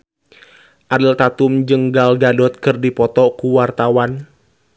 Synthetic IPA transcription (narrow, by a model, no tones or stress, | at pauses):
ʔadəlt̪at̪ʊmd͡ʒəŋɡalɡadɔt̪̚kɨrdipɔt̪ɔkuwart̪awan